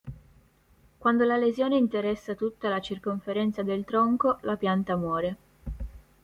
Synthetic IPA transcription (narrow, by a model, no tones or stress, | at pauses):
kwand̪olalezjoːneint̪eɾɛsːat̪ut̪ːalat͡ʃirkoɱfeɾɛnt̪sad̪elt̪ɾɔŋkolapjant̪amwɔːɾe